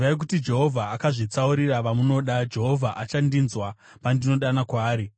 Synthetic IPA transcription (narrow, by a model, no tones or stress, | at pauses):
ʋajek̬utid͡ʒe̞ɦo̞vʱaakaʐit͡sauɾiraʋamuno̞ɗad͡ʒe̞ɦo̞vʱaʔat͡ʃandinzwa | pandino̞ɗanakwaːɾi